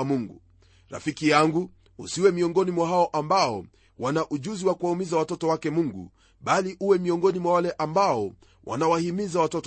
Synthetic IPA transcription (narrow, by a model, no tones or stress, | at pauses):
muŋɡu | ɾa̰fikijaŋɡu | ṵsiwɛmiɔŋɡɔnimwaɦaɔʔambaɔ | wanaʔuʄuziwakuwaumizawatɔtɔwakɛmuŋɡṵ | ɓaliʔuwɛmiɔŋɡɔnimwawalɛʔambaɔ | wʔa̰nawahimizawatɔt